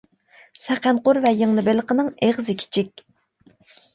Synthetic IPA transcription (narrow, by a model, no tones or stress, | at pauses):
sɛqʰænqʊɾvɛjəŋnɨbelˠəqənɨŋeʁzɪkʲʰi̥t͡ʃʰik̚ʲ